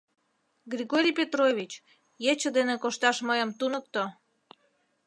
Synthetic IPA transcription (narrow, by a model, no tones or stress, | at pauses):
ɡrʲiɣoɾʲijpʲet̪roβʲit͡ɕ | jet͡ɕəd̪enekoʃt̪ɑʃməjəmt̪unək̚t̪o